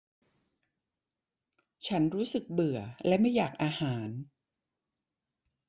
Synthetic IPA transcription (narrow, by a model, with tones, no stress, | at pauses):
t͡ɕʰa˦˥nɾuː˦˥sɯ˨˩k̚bɯ˨˩ɐlɛ˦˥ma˥˩jːaː˨˩k̚ʔaː˧haː˩˦n